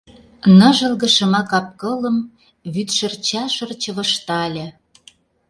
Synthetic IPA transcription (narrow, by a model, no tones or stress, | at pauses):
nɤ̆ʒɤ̆lɣə̆ʃɤ̆mɑkɑp̚kɤ̆lə̆m | βyt̪ʃə̆rt͡ɕɑʃɤ̆rt͡ɕə̆βə̆ʃt̪ɑlʲə̆